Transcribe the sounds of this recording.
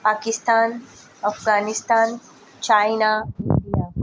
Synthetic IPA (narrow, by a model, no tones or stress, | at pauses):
paːkist̪aːn | ɐfɡaːnist̪aːn | t͡ʃaːjnaid̪ijaː